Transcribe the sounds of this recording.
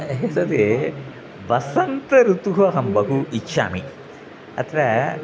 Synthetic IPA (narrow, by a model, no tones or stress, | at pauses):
ɦesɐd̪e | ʋɐsɐnt̪ɐɾut̪uɦɐɦɐmbɐɦuʔitːʃa̰ːmi | ɐ̰t̪ʰɾɐ